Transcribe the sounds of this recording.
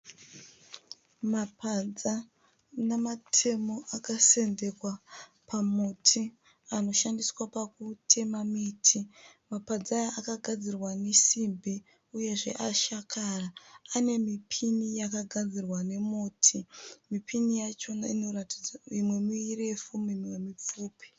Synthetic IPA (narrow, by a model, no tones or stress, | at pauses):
mapad͡za | namatʰe̞mo̞ʔakase̞nde̞kwa | pʰamutʰi | ano̞ʃandiswapak̚utʰe̞mamitʰimapad͡zajaʔakaɡʱad͡zirwanesimbʱi | uje̞ʐe̞̰ʔaʃakaraane̞mipʰinijakaɡʱad͡zirwane̞muːtʰimipʰinijat͡ʃo̞na̰ino̞rati̥d͡zaimwe̞muire̞fumimwemip͡fuːpi̥